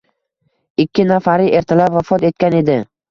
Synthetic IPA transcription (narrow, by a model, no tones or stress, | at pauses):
ɪkʲʰːɪnafaɾɪʔe̞ɾt̪ʰɪlapvafɒt̪e̞t̪̚kʲane̞d̪ɪ